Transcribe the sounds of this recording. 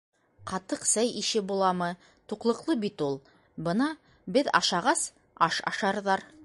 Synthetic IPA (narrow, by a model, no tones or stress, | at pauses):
qɑt̪ɤqsæjiʃɘbulˠɑmɤ | t̪uqlˠɤ̆qlˠɤbit̪ulˠ | bɤnɑ | bɘðɑ̰ʃɑʁɑs | ɑʃɑ̰ʃɑɾðɑɾ